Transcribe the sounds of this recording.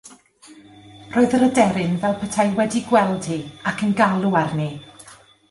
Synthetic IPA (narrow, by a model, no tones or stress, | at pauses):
roːɨðərədɛɾɪnvɛlˠpʰətʰajwɛdiɡwɛlˠd̥hiakʰənɡalˠuarni